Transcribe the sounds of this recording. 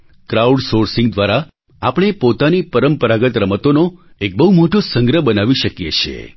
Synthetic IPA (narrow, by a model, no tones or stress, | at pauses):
kɾauɖsoɾsiŋɡd̪ʋaɾa | apəɳ̃epot̪anipəɾəmpəɾaɡət̪ɾəmət̪ono | ek̚bəɦumoʈosəŋɡɾəbənaʋiʃəkjḛt͡ʃʰḛ